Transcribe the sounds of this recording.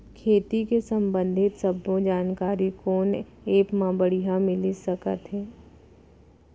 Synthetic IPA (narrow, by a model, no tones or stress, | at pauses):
kʰeːt̪ikesɐ̃mbə̃nd̪ʱɪt̪sɐbõd͡ʒaːnkaːɾikoːn | eːpmãːbəɽiɦãmɪlisəkə̰t̪ɦɛː